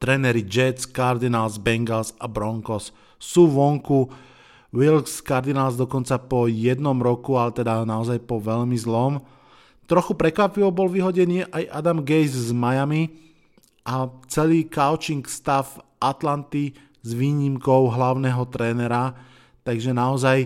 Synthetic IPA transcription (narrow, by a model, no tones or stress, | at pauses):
t̪ɾɛːnɛɾid͡ʒɛt͡skaɾd̪inalzbɛŋɡalsabɾɔŋkɔs | suːʋɔŋku | wilkskaɾd̪inalzd̪ɔkɔnt͡sapɔjɛd̪nɔmɾɔkualɛt̪ɛd̪anaɔzajpɔʋɛʎmizlɔm | t̪ɾɔxupɾɛkʋapiʋɔbɔlʋiɦɔɟɛnɪɛʔajʔad̪amɡɛjzzmajami | ʔat͡sɛliːkaʊt͡ʃiŋkst̪afʔat̪lant̪i | zʋiːɲimkɔʊɦlaʊnɛːɦɔt̪ɾɛːnɛɾa | t̪aɡʒɛnaɔzaj